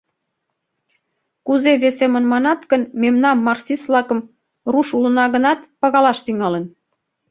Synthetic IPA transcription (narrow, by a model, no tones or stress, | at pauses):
kuzeβesemənmɑnɑt̪kənmemnɑmːɑrsisβlɑkə̆m | ruʃulənɑɣənɑt̪pɑɣɑlɑʃt̪yŋɑlə̆n